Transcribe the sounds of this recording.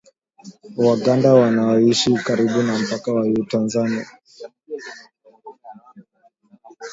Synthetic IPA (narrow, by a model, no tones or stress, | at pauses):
waɡandawanaɔiʃikaɾiɓunam̩pakawajuutanzania